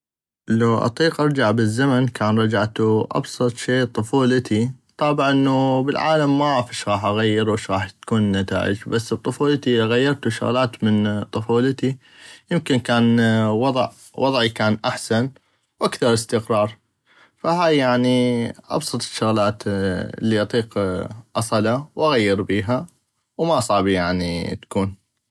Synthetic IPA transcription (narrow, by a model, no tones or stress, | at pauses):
lawʔɑ̰t̪ˤiːqʔɑɾˤd͡ʒaʕbɪzːamankʰaːnɾˤɑd͡ʒaʕt̪uʔɑ̰bsˤɑt̪ˤʃeːt̪ˤʊfuːlt̪ʰit̪ˤːɑːbʕʔɪnːubɪlʕa̰ːlamːaʕafiʃɣɑːħʔaɣajːɪɾuʔɪʃɣɑːħt̪kuːnːat̪a̰ːʔɪ̰d͡ʒbasːb̚t̪ˤʊfuːlt̪iɣajːɑɾˤt̪uʃʊ̰ɣlaːt̪mɪnt̪ˤɨfuːlɪt̪i | jɪmkɪnkaːnwɑðˤʕ | wʔɑðˤʕikaːnʔaħsan | wʔakθɑɾˤɪst̪ɪqɾˤɑːɾˤ | faɦaːjːaʕniʔɑ̰bsˤɑt̪ˤɪ̥ʃːʊɣlaːt̪ɪ̰lːiʔɑt̪ˤiːqʔɑsˤɑlawʔaɣajːɪɾbiːɦa | wmaʔsˤɑʕbijaʕnḭt̪ḁkuːn